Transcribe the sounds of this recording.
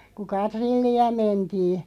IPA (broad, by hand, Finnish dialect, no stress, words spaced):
ku kɑtrilːiɑ mentiː